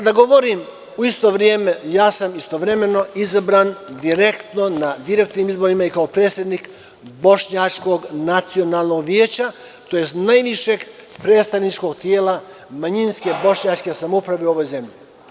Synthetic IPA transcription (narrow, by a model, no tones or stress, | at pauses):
ad̪aɡo̞ʋo̞ɾim | uist̪o̞ʋɾjeːme̞jaːsamist̪o̞ʋɾe̞me̞no̞izabɾaːnd̪iɾe̞kt̪no̞nad̪iɾe̞k̚t̪niːmizbo̞ɾimaikaopɾeːt̪sje̞d̪nik | bo̞ʃɲat͡ʃko̞ɡnat̪sio̞naːlˠno̞ɡʋjeːt͡ɕa | t̪o̞jest̪najʋiʃeɡpɾet̪st̪aʋnit͡ʃko̞ɡ̚t̪jeːla | maɲinske̞bo̞ʃɲat͡ʃke̞samoupɾaʋe̞uo̞ʋo̞jze̞mʎi